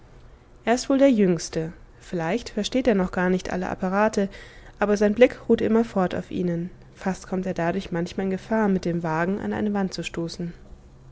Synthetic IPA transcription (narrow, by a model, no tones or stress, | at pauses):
ʔeːɐɪstv̥oːldeːɐjʏŋstə | fɪlaɪçtfɛɐʃteːteːɐnɔχɡ̥aːɐnɪçtʔa̰ləʔa̰paʁ̞aːtʰəʔaːbɐzaɪnblɪkʁuːtʔɪmɐfɔɐtʰa̰ʊfʔḭːnən | fastkʰɔmteːɐdadʊɐçmançmaːlɪnɡəfaːɐmɪt̚d̥eːmvaːɡŋ̩ʔa̰nʔa̰ɪnəvant̚t͡suʃtoːsn̩